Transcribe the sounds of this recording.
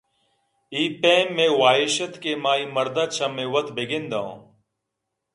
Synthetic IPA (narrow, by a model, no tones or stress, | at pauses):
iːpẽːmːẽːwaːɦɪʃət̪keːmaːiːməɾd̪aːt͡ʃʰamẽːwət̪ʰbʱeːɡẽːnd̪aõ̰ː